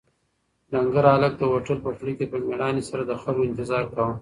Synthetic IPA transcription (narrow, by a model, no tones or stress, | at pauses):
laŋɡaɾalək̚d̪əwaʈəlpəfɽikepəmeɽɑnisaɾad̪əxalɡoɪnt̪ɪzɑːɾkawəm